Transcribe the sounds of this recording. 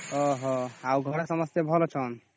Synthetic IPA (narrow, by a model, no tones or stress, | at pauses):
ɔɦɔawɡʱɔɾesɔmɔst̪ebʱɔlɔt͡ʃʰɔn